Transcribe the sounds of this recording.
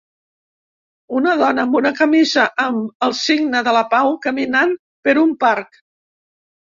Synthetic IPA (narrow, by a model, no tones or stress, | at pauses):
unəðɔnəmunəkəmizəʔəməlˠsiɡnəðələpawkəminan | pəɾumpaɾk